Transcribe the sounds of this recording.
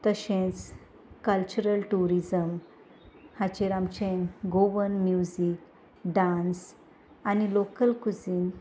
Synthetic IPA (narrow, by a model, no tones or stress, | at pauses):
t̪əɕẽt͡s | kəlt͡ɕuɾəlʈuɾid͡zəm | hat͡ɕeɾamt͡ɕẽɡoʋənmjuzik | ɖãns | anilokəlkud͡zin